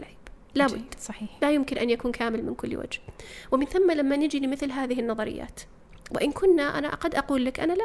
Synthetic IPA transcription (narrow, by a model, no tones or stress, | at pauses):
ʕb | labʊ̰d̪ːsˤɑħiːħlajʊmkɪnʔanjakuːnkaːmɪlmɪ̰nkʊlːwa̰d͡ʒhwɪmɪnθamːalamːanɪd͡ʒilimɪθlɦaːðɪɦɪnːɑðˤɑɾɪ̰jːa̰ːt̪ | wɪ̰ʔɪnkʰʊnːaʔa̰na̰ʔqɑd̪ːʔɑquːlːakʔanala